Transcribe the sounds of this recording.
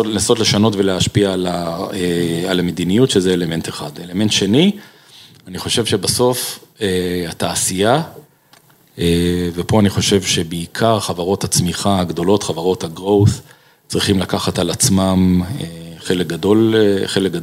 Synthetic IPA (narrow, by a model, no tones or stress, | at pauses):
naso̞tle̞ʃano̞tveleaʃpialaealamed̪inijutʃezeele̞me̞nteχad̪ele̞me̞ntʃe̞ni | aniχo̞ʃe̞vʃe̞baso̞feataːsija | evepo̞aniχo̞ʃe̞vʃe̞beːkʰaʁχavaʁo̞that͡smiχaaɡd̪o̞lo̞tχavaʁo̞thaɡʁo̞wθ | t͡sʁiχimlakaχatalat͡smameχelek̚ɡadolχelek̚ɡad